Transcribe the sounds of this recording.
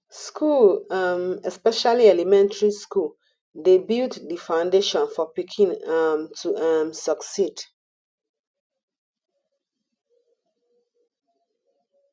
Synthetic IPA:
skʰulamɛspɛʃaliɛlimɛ̃ntaɹiskul | debilddifãʊ̃ndeʃɔ̃nfɔpikʰĩnamtʰuamsəksid

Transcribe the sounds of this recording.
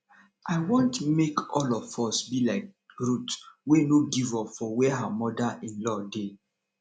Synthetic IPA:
ʔaɪwɔ̃ntmekɔlɔfɔsbilaɪk̚ɹutwenoɡivɔpfɔwɛɦamɔdaʔĩnlɔde

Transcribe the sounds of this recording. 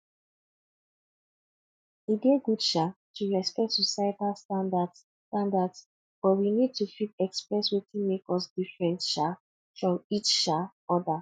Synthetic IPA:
ideɡudʃatʰuɹɛspɛk̚tsusatalstãndad | tãndads | b̥ɔtwinid̚tufip̚ɛkspɹɛswetʰĩmekɔsdifɹɛ̃ntʃa | fɹɔ̃mit͡ʃʃa | ɔda

